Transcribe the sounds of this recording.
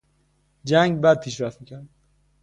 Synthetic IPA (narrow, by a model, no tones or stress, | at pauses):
d͡ʒæŋɡbæd̪̚pʰiːʃɾæft̪miːcʰæɾd̪